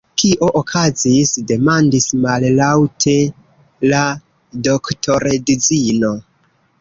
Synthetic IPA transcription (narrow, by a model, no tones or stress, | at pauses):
kʰiʔo̞ʔokʰazisde̞mandismallawtʰe̞ | la | do̞ktʰo̞ɾedid͡zino̞